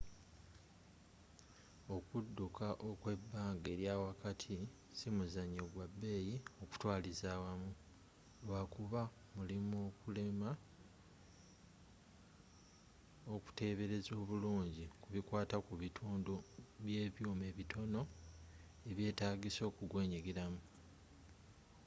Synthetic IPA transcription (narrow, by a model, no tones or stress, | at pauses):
o̞kudːukaʔokwe̞bːaːŋɡe̞ːɾjaːwakatʰi | simuzaɲːoɡwabːe̞ːjio̞ku̥twaːlizaːwamu | lwakuβa | mulimo̞kule̞ma | oku̥te̞ːβe̞ɾe̞zo̞ːβuluːɲɟikuβikwaːtakuβitʰuːndoβje̞ːβjuːme̞βitʰo̞no̞ | e̞βje̞ːtaːɡiso̞ːkuɡwe̞ːɲiɡeɾamu